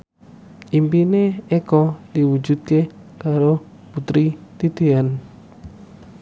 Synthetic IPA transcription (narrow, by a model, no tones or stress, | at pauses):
ʔimpineekɔdiwud͡ʒud̪̚ke | kaɾo | put̪ɾit̪id̪̥e̤an